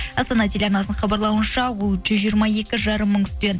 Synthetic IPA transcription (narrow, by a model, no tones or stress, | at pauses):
ɑst̪ɑnɑt̪ʰelʲɑɾnɑsnəɴχɑbɑɾlˠɑwənʃɑwʊlˠʒʏzʒijɾmɑje̞kʲɪʒɑɾəmːəɴt̪ɪ̥st̪e̞nd̪